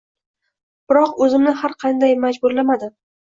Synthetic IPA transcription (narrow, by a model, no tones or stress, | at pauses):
b̥ɪɾɒqɵzɪmnɪhaɾqʰɑnd̪ajmad͡ʒbʊɾlamad̪ɪ